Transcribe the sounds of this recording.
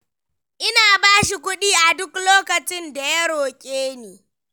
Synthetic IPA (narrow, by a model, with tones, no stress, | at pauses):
ʔɪ˦naː˨baː˦ʃi˨kʷʊ˦ɗiː˦ʔa˨dʊ˦kloː˦kɐ˨t͡ʃɪ˦nda˨jɐ˦ɽoː˨kʲʼeː˦neː˨